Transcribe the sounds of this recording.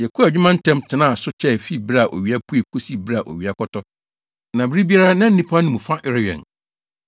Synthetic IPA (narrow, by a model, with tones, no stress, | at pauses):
jɛ˨kʰu˦a˨d͡ʑᶣʊ˦mã˦n̩˦tʰɛ̃˦mtʰɪ̃˨nã˦˨a˨sʊ˦t͡ɕʰɛ˦˨fi˦bɾa˨ʔo̰˨ɥi˨a˦pʰu˦e˨kʰu˦si˦bɾa˨ʔo̰˨ɥi˨a˨kʰɔ˦tʰɔ˦ | nã˨bɾi˦bi˦a˦ɾa˦nã˦n̩˦nĩ˦pʰa˦nʊ̃˦mũ˨fã˦ʔɪ˦ɾɪ˦ɥɛ̰˨n